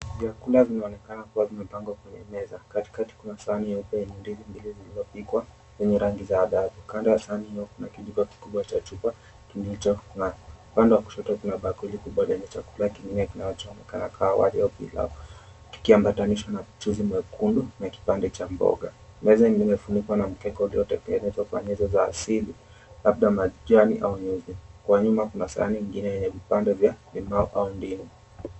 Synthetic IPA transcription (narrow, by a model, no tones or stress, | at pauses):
vjakulazinaɔnɛkanakuwazimɛpaŋɡwakwɛɲɛ̰mɛzakati̥kati̥kunasaanijaupɛɛnindizimbilizilizɔpikwa | lɛɲɛɾaŋɡizaːɗaðukandajasaanihijɔkunakiʄiɡɔki̥kuɓwat͡ʃat͡ʃupa | tulit͡ʃɔkunaupandɛwaku̥ʃɔtakunaɓakwilikuɓwalɛɲɛt͡ʃakulakiŋɡinɛkinaɔt͡ʃɔɔnɛkanakʰaawa̰liaɔpḭla̰ | ki̥kiambataniʃwanat͡ʃuzimwɛkʰundunaki̥pandɛt͡ʃambɔ̰ɠa | mɛzɛŋimɛfunikwanam̩kɛkɔuliɔtɛkɛŋɡɛnɛzwakwa̰ɲɛzɔzaːsili | labɗamaʄwaniʔauɲuzikwaɲumakunasa̰a̰niŋɡinɛjɛɲɛvipandɛvjalimaɔʔaundinu